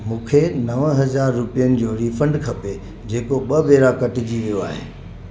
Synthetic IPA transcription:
mũːkʰenɐʋɦɐzaːɾːʊpijənɪ̆d͡ʑoːɾiːfɐ̃ɳɖkʰɐpe | d͡ʑeːkoɓɐʋeːɾakɐʈɪd͡ʑiʋijoaːɦḛː

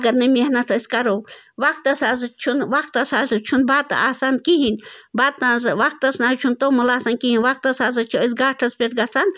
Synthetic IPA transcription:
ɡɐɾnɐmehnɐt̪ʰɐsʲkɐɾoːʋak̚t̪ɐsaːzɨt͡ʃʰunʋakt̪ɐsaːzɨt͡ʃʰunbaːt̪aːsaːnkiɦinʲbaːt̪nazʋak̚t̪ɐsnaːt͡ʃʰunt̪omɐlaːsaːnkiɦinʋak̚t̪ɐsaːzɐt͡ʃʰiəs̬ɡaːʈʰɐspeʈɡɐsan

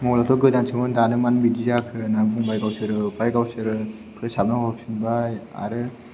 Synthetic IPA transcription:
mɔlatʰɔɡɯdansʰɯmɯndanɯmanbidijakʰɯnambuŋbajɡawsɯɾɯbajɡawsɯɾɯ | pʰɯsab̚nahʰɔpsɯnbaja̰ɾɯ

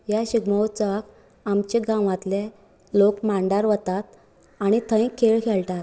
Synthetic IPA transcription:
jaɕiɡməwt͡sək | amt͡ɕeɡãʋat̪le | lokmaɳɖaɾʋət̪at̪̚ | aɽ̃it̪ʰə̃jkʰːeɭkʰelʈat̪

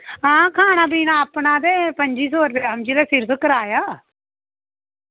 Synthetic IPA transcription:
ɦãːkʰaːnaːbiːnaːapnãːd̪eːpəɲd͡ʒiːs̬oːɾbeaːəmd͡ʒiːlɛːsɪɾpʰkəɾaːjaː

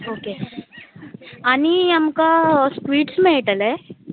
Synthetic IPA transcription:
oːke | ɐniɐmkaspɾiːʈsmẽeʈɐle

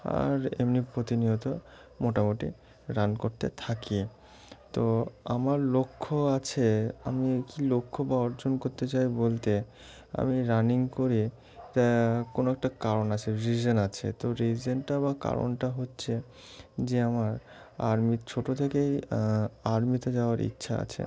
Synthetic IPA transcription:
a̰ɾḛmnipɾot̪iniɦot̪o | moʈamoʈi | ɾankoɾt̪ḛt̪ʰaki | t̪oa̰maɾlokʰːoat͡ɕʰea̰mikilokʰːobaɔɾd͡ʑonkoɾt̪et͡ɕajbolt̪e | a̰miɾaniŋkoɾi | t̪akonoɛk̚ʈakaɾonat͡ɕʰeɾid͡ʑonat͡ɕʰḛt̪oɾid͡ʑonʈabaka̰ɾo̰nʈaɦotːɕʰe | d͡ʑeamaɾ | a̰ɾmit͡ɕʰoʈot̪ʰekej | aɾmit̪ed͡ʑaoaɾḭtːɕʰaa̰t͡ɕʰḛ

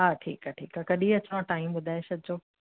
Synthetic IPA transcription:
ɦaːʈʰḭːkaʈʰḭːkakɐɗĩɐt͡ɕʋãʈaːimɓʊd̪ʱaːesɐd̪̚d͡ʑoː

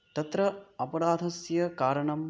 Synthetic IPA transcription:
t̪ɐt̪ɾɐɐpɐɾaːd̪ʱɐsjɐkaːɾɐɳɐm

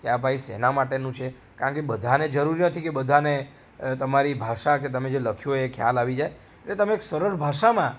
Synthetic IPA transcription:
kjabʱaisḛnamaʈenũt͡ʃʰe | kaɾə̃ɳkebəd̪ʱaned͡ʒəɾuɾinət̪ʰikebəd̪ʱane | t̪əmaɾibʱaʃaket̪əmed͡ʒeləkʰjoekʰja̰laʋid͡ʒae | eʈlet̪əmeːksəɾəɾbʱaʃamã

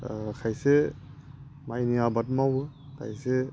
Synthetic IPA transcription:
kʰajsɛ | majniabatmabɯ | kʰa̰jsɛ

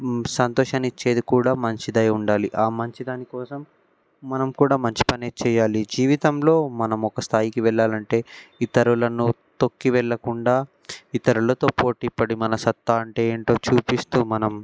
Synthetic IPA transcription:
sɐnt̪ɔːʃɐːnit͡ʃːe̞ːd̪ukuːɽaːmɐɲt͡ʃid̪ɐjuɳɖaːliʔaːmɐɲt͡ʃid̪aːnikɔːsɐmː | ɐnɐmkuːɽaːmɐɲt͡ʃi̥pɐneːt͡ʃɛːjaːlid͡ʒiːʋit̪ɐmlo̞ːmɐnɐmɔkɐst̪ʰaːjikiʋɛɭːaːlɐɳʈe̞ːit̪ɐɾulɐnu | t̪o̞kːiʋɛɭːɐkuɳɖaː | it̪ɐɾulɐt̪o̞ːpoːʈipːɐɽimɐnɐsɐt̪ːaːɐɳʈe̞eːɳʈo̞ːt͡ʃuːpist̪uːmɐnɐm

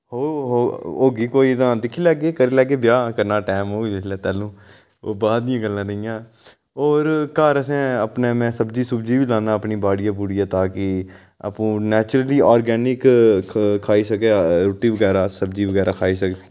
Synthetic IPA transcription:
ɦoːɦoːoːɡiːkoːiːt̪ãːd̪ɪkʰːiːlɛːɡeːkəɾeːlɛːɡeːbjaːkəɾnaːʈɛːmɦoːɡid͡ʒɪslɛːt̪ɛːlũː | oːbaːd̪ɪjãːɡəlːãːd̪əɪjãː | ɔːɾkaːɾəsɛ̃ːəpneːmɛ̃ːsəbd͡ʒiːsʊbd͡ʒiːʋiːlaːnãːəpniːbaːɽɪjãːbʊɽiːãːt̪aːkɪ | ə̰pũːnɛːt͡ʃʊɾəliːɔːɾɡɛːnɪk | kʰaːiːsəkeːɾoːʈiːʋəɡɛːɾaːsəbd͡ʒiːʋəɡɛːɾaːkʰaːiːsəke

